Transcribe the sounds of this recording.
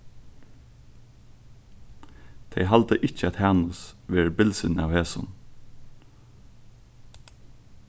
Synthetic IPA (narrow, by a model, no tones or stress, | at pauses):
t̪ʰɛjɦalt̪əʔɪt͡ʃəæt̪hæːnəsʋeːɹəbɪlsɪna̰wheːsʊ̰n